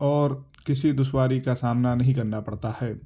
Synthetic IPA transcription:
ɔːɾ | kɪsid̪ʊʃwaːɾikasaːmnanɐɦĩkɐɾnapɐɽt̪ahɛː

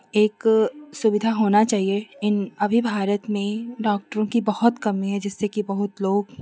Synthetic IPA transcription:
eːksʊʋɪd̪ʱaɦoːnat͡ʃaːɦieɪnɐbʱibʱaːɾət̪mẽɖɔːk̚ʈəɾõkibɐhʊt̪kɐmiɦɛd͡ʒɪsːekibɐɦʊt̪loːɡ

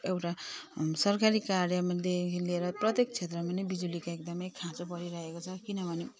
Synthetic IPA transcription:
ewʈasʌrkaɾikaɾjʌmaleleeɾʌprʌt̪jekt͡sʰet̪rʌmanebid͡zulikaek̚d̪ʌmʌjkʰãt͡sopʌɾiɾʌɦekot͡sʰʌkinʌbʱʌne

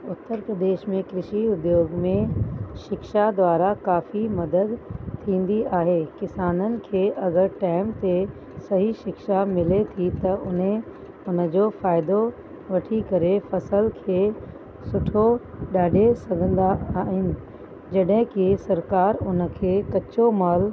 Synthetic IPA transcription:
ʊt̪ːəɾpɾəd̪eːʃmẽkɾɪʃiʊd̪joːɡmẽʃɪkʃad̪wʋaːɾakaːfimɐd̪əd̪t̪ʰːĩːn̆d̪iaːɦeːkɪsaːnənɪ̆kʰeːʔɐɡəɾʈaːɪmt̪e | sɐɦiʃɪkʃamɪlet̪ʰit̪ɐʔʊnɦẽ | ʊnə̆d͡ʑoːfaːɪd̪o | ʋɐʈʰikɐɾefɐsəlkʰeː | sʊʈʰoɗaːɖesɐɡʱə̃nd̪aːɦɪnɪ̆ | d͡ʑɐɗɦɪ̃kisɐɾkaːɾʊnəkʰeːkɐt͡ɕomaːl

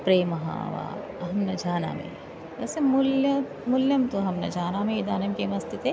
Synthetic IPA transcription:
pɾeːmɐɦa̰ːʋa̰ː | ɦɐmnɐd͡ʒʱaːna̰ːmḛ̃ | ɛːsemʊlɐ | mʊljɐmt̪oɦɐmnɐd͡ʒʱaːnamẽid̪aːnɐmkemɐst̪ʰit̪e

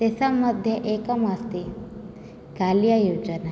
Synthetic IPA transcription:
t̪esaməd̪ʱjəʔekəmast̪e | kaljajod͡ʒəna

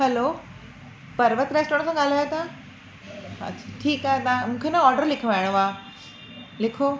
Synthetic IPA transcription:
hɛloː | pɐɾʋət̪ɾeːsʈoɾɽ̃sãɠaːl̤aːjot̪ʰa | ɐ̰t͡ɕʰḁʈʰiːkaːɦet̪ãmũːkʰenaɔːɾɖəɾlɪkʰʋaːɪɽ̃oaː | lɪkʰo

